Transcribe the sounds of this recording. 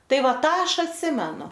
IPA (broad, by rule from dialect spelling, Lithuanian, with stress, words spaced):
ˈtɐɪ ˈʋɐ ˈtɑː ˈɐʃ ɐtʲˈsʲɪmʲɛnʊ